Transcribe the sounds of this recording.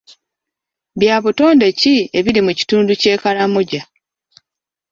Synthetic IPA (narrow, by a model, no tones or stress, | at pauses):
bjaːβuto̞ːnde̞cie̞βiɾimuci̥tuːnduce̞ːkalamuɟa